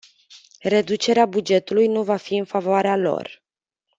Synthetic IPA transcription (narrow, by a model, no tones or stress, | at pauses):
re̞d̪ut͡ʃe̞ɾeabud͡ʒe̞t̪ulujnuvafiɨnfavoaɾealo̞̰r